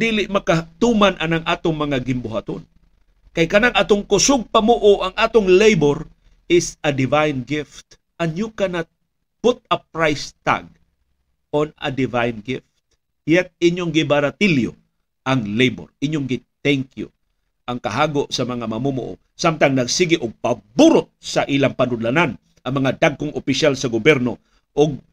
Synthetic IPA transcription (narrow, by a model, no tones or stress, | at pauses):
d̪iːlɪʔmɐkat̪umanʔɐnaŋʔaːt̪oŋmɐŋaɡɪmbʊɦat̪on | kajkɐnaŋʔaːt̪oŋkʊsʊɡ̚pamuʔʊʔɐŋʔaːt̪ʊŋlejboɾ | ɪsɐd̪ɪvajnɡɪft̪ | ʔɐnjukanat̪̚ | pʊt̪̚ɐp̚ɹajst̪a̰ɡ̚ | onɐ̰d̪ɪvajnɡɪft̪̚ | jɛt̪̚ɪɲoŋɡɪbɐɾɐt̪ɪljo̰ | ʔɐŋlejbo̰ɾʔɪɲjoŋɡɪt̪ɛŋkjʊ̰ | ʔɐŋkɐɦaːɡoʔsɐmɐŋamɐmumʊ̰ʔo̰ | samt̪aŋnɐɡsiɡɪʔʊɡ̚pɐbuɾʊt̪̚sɐʔiːlaŋpɐnʊd̪lanan | ʔɐŋmɐŋad̪aɡ̚kʊŋʔopɪʃalsɐɡobjɛɾno | ʔʊɡ̚